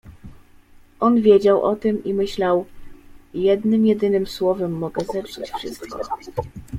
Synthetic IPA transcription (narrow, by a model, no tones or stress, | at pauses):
ʔɔnvʲjed͡ʑawʔɔt̪ɘmimɘɕlaw | jɛd̪nɘmjɛd̪ɘnɘmswɔvɛmːɔɡɛzɛpʂɘt͡ɕfʂɘ̰st̪kɔ̰